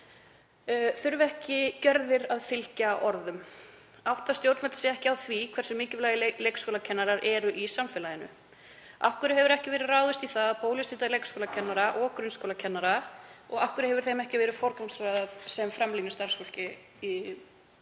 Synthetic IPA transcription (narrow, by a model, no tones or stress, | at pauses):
θʏɾvɛhcɪcœɾðɪɾaðfɪl̥caʔɔɾðʏm | awht̪ast̪jowɾt̪nvɛt̪sɪɛhcɪawθvikʰvɛɾsʏmɪːcɪvlaːjɪlejkskowlacʰɛnːaɾaɾɛɾʏʔisamfɛlajɪnʏ̰ | a̰fkʏɾɪhɛvʏɾɛhcɪvɛːɾɪðraːwðʏst̪iθaðpoːwljʏsɪːt̪alejkskowlacʰɛnːaɾaʔɔkɾʏnskowlacʰɛnːaɾaɔɣafkʏɾɪhɛvʏɾ̥θejmɛhcɪvɛːɾʏfɔɾkamsɾajðaðsɛmfɾamliːnɪst̪aɾ̥sfɔl̥cɪ | i